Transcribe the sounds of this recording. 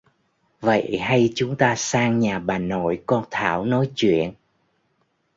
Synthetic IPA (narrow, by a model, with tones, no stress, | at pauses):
və̰˧˨jha˧jt͡ɕʊ˨˦ŋ͡mt̪aː˧saː˧ŋɲaː˨˩ɓaː˨˩nːo̰˧˩˨jkɔ˧nt̪ʰa̰ː˧˩wnɔ˨˦jt͡ɕwḭ˧˨ən